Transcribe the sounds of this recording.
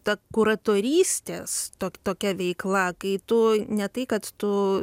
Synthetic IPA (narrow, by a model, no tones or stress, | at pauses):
t̪ɐkuɾɐt̪oːɾʲiːsʲt̪ʲḛːst̪oːkʲt̪oːkʲɛʋʲɛɪklˠɐkɐɪt̪ʊnʲɛt̪ɐɪkɐt̪t̪ʊ